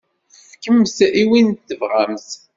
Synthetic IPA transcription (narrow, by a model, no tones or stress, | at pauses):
fkəmsiwint̪ːəvʁamθ